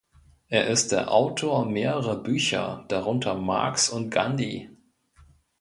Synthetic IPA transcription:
ʔeːɐʔɪst̚d̥eːɐʔaʊtʰoːɐmeːʁəʁɐbyːçɐ̰d̥aʁ̞ʊntʰɐma̰ɐksʊntɡ̥andi

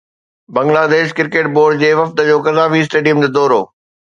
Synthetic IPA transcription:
bɐ̃ŋɡlaːd̪eːʃkɪɾkeːʈ̚boːɾɖd͡ʑeːʋɐft̪əd͡ʑoːkɐzaːfiɪs̬ʈeːɖijəmd͡ʑeːd̪ɔːɾoː

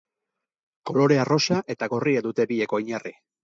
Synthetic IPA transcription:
ko̞lo̞ɾe̞aro̞saʔe̞t̪aɣo̞riad̪ut̪e̞bieko̞iɲari

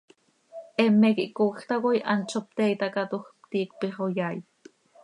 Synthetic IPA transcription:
ʔɛmːekiʔkoxt̪akojʔa̰nt͡ʃʰop̚t̪eit̪akat̪uxpt̪iːkpiχojaj

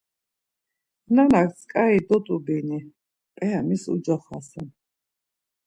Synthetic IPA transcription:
nanak̪ʰʼsʰkʼaid̪ɔt̪ʼubini | pʼɛamisṵd͡ʒaχasɛn

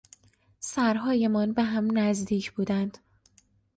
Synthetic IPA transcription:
sæɾɦɒːje̞mɒːnbeɦæmnæzd̪iːcʰb̥uːd̪ænd̪̥

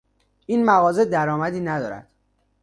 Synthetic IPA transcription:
iːnmæɣɒːze̞d̪æɾɒːmæd̪iːnæd̪ɒ̰ːɾæ̰d̪̥

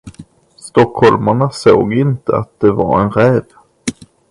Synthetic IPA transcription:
st̪ɔkhɔlmaɳaso̰ːɡɪnt̪əa̰t̪̚d̪ɛva̰ɾɛ̰nɾɛːd̪

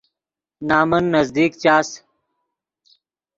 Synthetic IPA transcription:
naːmənːəzd̪iːkt͡ɕaːs

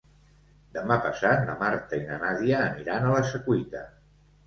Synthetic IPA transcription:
d̪əmapəsat̪nə̰maɾt̪əinənaðiəːniɾanələsəkwit̪ə

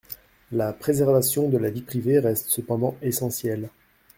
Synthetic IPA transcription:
lapχezɛʁvasjɔ̃d̪əlavipχiveʁɛst̪səpɑ̃d̪ɑ̃esɑ̃sjɛl

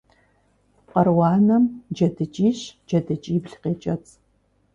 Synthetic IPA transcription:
qɐrwɑːnɐmd͡ʒɐdɨt͡ʃʼiːɕd͡ʒɐdɨt͡ʃʼiːbɬqeːt͡ʃʼɐt͡sʼ

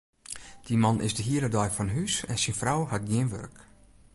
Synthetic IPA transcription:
d̥imanʔɪ̰zdəɦiəɾadɔjfɔnəɦysɛ̰nsinfrawhat̚ɡjɪənʋø̰rk

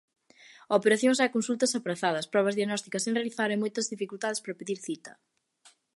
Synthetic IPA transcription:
opeɾaθjõŋs̬ɛkõnsult̪ɐsapɾɐθaðɐspɾɔβɐzðjɐɣnɔst̪ikɐsẽŋrealiθaɾemojt̪ɐzðifikult̪aðespɾɐpeðiɾθit̪ɐ

